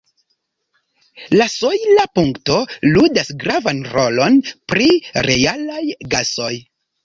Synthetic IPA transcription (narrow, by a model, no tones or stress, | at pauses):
lasojlapuŋkto̞ludasɡɾavanɾo̞lonpɾiɾe̞jalajɡaso̞j